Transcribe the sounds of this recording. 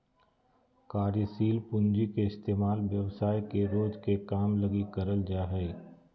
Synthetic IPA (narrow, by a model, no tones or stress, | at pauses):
kaːɾəsiːlpʊ̃nd͡ʒikeɪst̪eːmaːlʋjɐʋsaːjkeɾoːd͡ʒkekaːmlɐɡikəɾəld͡ʒaːɦɛː